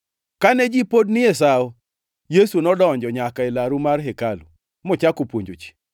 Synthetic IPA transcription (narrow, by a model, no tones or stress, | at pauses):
kanɛd͡ʒipodnɪjes̬ao | jesunɔdɔɲd͡ʒɔɲakaelaɾumarɦekalṵ | mɔt͡ʃakopwoɲd͡ʒot͡ʃi̥